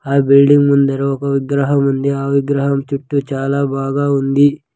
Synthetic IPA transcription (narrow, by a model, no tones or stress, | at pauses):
aːbilɖiŋɡmund̪ɐɾɐɔkɐʋiɡɾɐɦɐmund̪eaːʋiɡɾɐɦɐmt͡ʃuʈːut͡ʃaːlaːbaːɡaːund̪i